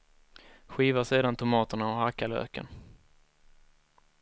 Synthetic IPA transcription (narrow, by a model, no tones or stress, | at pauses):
ɧiːvaseːd̪ant̪ʰʊmɑːt̪əɳaɔhakːalø̰ːkə̰n